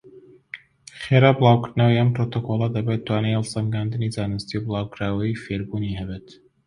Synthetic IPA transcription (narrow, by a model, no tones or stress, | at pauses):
χeɾabɨlˠaːwkɨɾt̪nawijɐmpɾot̪okolˠɐd̪ɐbet̪ːwaːnejlˠsɐmɡaːnd̪ɨnizaːnɨst̪iwbɨlˠaːwkɾaːwɐjifeːɾbuniɦɛbeːt̪